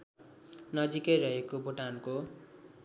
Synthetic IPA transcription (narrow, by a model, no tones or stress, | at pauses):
nʌd͡zikʌjɾʌɦekobʱuʈanko